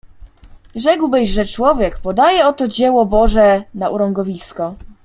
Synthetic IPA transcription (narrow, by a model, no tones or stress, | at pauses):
ʐɛɡwbɘʑʐɛt͡ʂwɔvʲjɛkpɔd̪ajɛɔt̪ɔd͡ʑɛwɔbɔʐɛnaʔuɾɔŋɡɔvʲiskɔ